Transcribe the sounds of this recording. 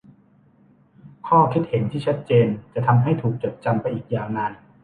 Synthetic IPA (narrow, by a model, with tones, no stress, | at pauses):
kʰɔː˥˩kʰi˦˥t̪̚he˩˦nt̪ʰiː˥˩t͡ɕʰa˦˥t̪̚t͡ɕeː˧nt͡ɕa˨˩t̪ʰa˧mɦa˥˩jt̪ʰuː˨˩k̚t͡ɕo˨˩t̪̚t͡ɕa˧mpa˧jʔiː˨˩k̚jaː˨˩wnaː˧n